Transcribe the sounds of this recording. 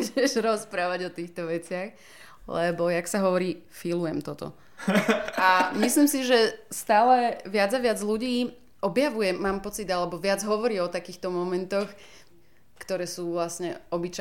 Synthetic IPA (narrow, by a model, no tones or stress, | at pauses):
ʒɛʃɾɔspɾaːʋaɟɔt̪iːxt̪ɔʋɛt͡sɪax | lɛbɔjaksaɦɔʋɔɾiː | filujɛmt̪ɔt̪ɔ̰ | amisliːmsiʒɛst̪aːlɛʋɪad͡zaʋɪad͡zluɟiː | ʔɔbjaʋujɛmːaːmpɔt͡sid̪alɛbɔʋɪad͡zɦɔʋɔɾiːɔt̪akiːxt̪ɔmɔmɛnt̪ɔx | kt̪ɔɾɛːsuːʋlasɲɛɔbit͡ʃa